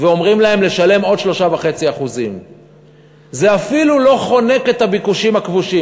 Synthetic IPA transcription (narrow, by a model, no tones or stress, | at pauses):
veo̞mʁimlahe̞mle̞ʃale̞mo̞dʃlo̞ʃavaχe̞t͡siaχuzim | ze̞afilulo̞χo̞ne̞ke̞t̪abikuʃimhakvuʃi